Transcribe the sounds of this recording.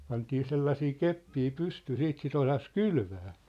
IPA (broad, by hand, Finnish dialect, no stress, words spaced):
pɑntiː selːɑsiː kepːiː pystyː siːt sit osɑs kylʋæː